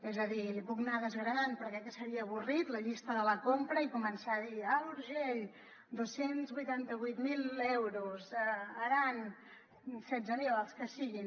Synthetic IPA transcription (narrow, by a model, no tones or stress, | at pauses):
ɛzəðilipuknaðəzɣɾəðanpəɾkɛkəsəɾiəːβurit̪ləʎist̪əðələkompɾəikumənsaəðialuɾʒeʎ | d̪osenzβujt̪ant̪əβujt̪milˠɛwɾuzəəɾan | sɛzəniβalˠskəsiɣin